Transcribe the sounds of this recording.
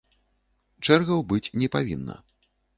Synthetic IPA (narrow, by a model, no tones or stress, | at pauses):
t͡ʂɛrɣɐwbɨt͡sʲnʲɛpavʲinːɐ̰